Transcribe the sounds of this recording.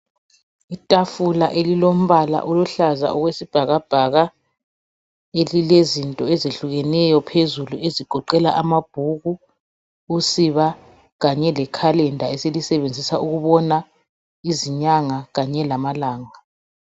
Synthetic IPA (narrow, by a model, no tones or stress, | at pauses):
itʼafulaʔelilom̩βala̰ʔɔluɬaza̰ʔɔɣwesib̥ʱaɣab̥ʱaɣa | elilezintʼɔɛzeɬuɣɛnɛjɔpʰezulueziɡ̥ʱɔǃɛla̰ʔamab̥ʱuɣu | usiβa | ɣaɲɛlɛkʰalɛndʱaɛselisɛβend͡zʱisauɣuβɔna | iziɲaŋaɣaɲɛlamalaːŋa